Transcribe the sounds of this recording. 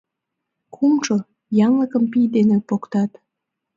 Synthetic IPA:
kʰumʃo | jɑnləkə̆mpijd̪enepokt̪ɑt̪

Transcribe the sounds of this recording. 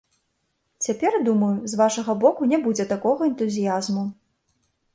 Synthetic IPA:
t͡sʲapʲɛrd̪umɐjuzvaʂɐɣɐbɔkunʲɛbud͡zʲɛt̪akɔɣɐɛnt̪uzʲijazmu

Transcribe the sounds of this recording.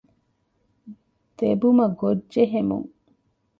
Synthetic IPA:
d̪̥ebumɐɡodʒeɦemṵŋ

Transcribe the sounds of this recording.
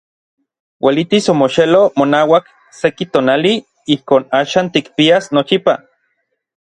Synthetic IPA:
wʔelit̪isomoʃelomonaːwak | sekit̪oːnali | ihkoːnaːʃaːnt̪ikpiasnot͡ʃipa

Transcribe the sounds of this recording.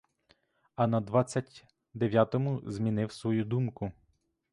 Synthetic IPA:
ɐnɐd̪ʋɑt͡sʲːɐtʲ | d̪eʋʲjat̪ɔmʊzmʲinɪwsʋɔjud̪umkʊ

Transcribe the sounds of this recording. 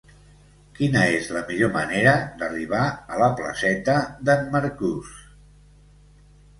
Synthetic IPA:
kinəezləmiʎoməneɾəd̪əriβ̞aələplə̰sɛt̪əðəmməɾkus

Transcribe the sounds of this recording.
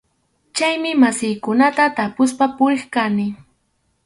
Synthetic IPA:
t͡ʃajmɪmasɪjkʊnat̪at̪apʊs̬papʊɾeχkanɪ

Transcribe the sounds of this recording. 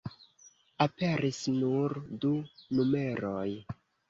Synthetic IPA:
ape̞ɾisnuɾdunume̞ɾoj

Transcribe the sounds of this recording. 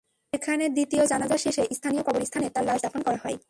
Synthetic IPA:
ekʰaneɾd̪it̪iod͡ʑanad͡ʑaʃeʃeʔist̪ʰanijokɔboɾist̪ʰanet̪aɾlaʃd̪afonkɔɾaɦɔe

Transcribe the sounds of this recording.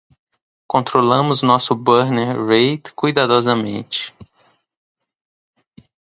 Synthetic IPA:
kõnt̪ɾolɐ̃mʊznɔsʊbɐɾneɾɾejt̪kujd̪ad̪ɔzɐmḛ̃t͡ʃɪ̥

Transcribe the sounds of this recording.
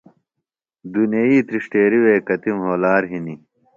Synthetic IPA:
d̪uneiːt̪ɾiʂʈeːɾiweːkɐt̪imɦoːlaːɾɦini

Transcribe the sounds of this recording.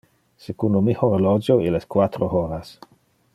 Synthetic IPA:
sekund̪omihoɾlɔd͡ʒoileskwat̪ɾooɾas

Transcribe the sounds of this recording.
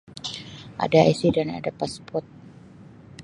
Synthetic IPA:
ʔa̰daɛsidana̰dapaspɔt̪̚

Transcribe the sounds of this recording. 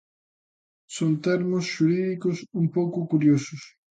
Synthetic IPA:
sont̪ɛɾmʊsʃuɾiðikʊsumpowkʊkuɾjosʊs

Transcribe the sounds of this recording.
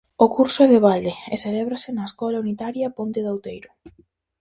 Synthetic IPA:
ʊkuɾsʊɛðɪβald̪eḛselɛβɾɐsɪnɐeskɔlɐunit̪aɾjɐpont̪ɪðawt̪ejɾʊ

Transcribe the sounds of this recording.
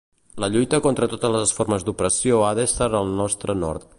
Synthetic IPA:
ləʎujt̪əkont̪ɾət̪ot̪əzləzəsfoɾməzd̪upɾəsioaðəest̪aɾəlˠnɔst̪ɾənɔ̰rt̪

